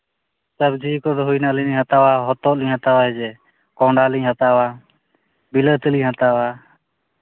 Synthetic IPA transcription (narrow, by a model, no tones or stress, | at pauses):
səbd͡ʒiːkɔd̪ɔɦujnaliniɲɦat̪awaɦɔt̪ɔliɲɦat̪awaɛd͡ʒɛ | kɔ̃ːɳɖaliɲɦat̪awa | bilət̪əliɲɦat̪awa